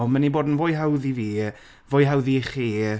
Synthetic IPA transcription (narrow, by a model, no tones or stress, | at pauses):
maniboːdn̩vojɦawðiviː | voːjɦawðiχiː